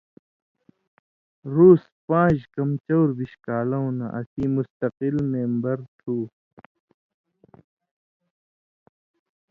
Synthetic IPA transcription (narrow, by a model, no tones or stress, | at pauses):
ɾuːs | pãːd͡ʑkɐmt͡ɕɐwɾbiɕkaːlɐũnɐ̰ʔɐsiːmust̪ɐqilmeːmbɐɾt̪ʰuː